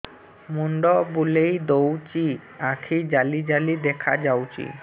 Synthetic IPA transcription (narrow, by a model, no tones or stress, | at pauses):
muɳɖɔbulejd̪owt͡ɕiakʰid͡ʑalid͡ʑalid̪ɛkʰad͡ʑawt͡ɕḭ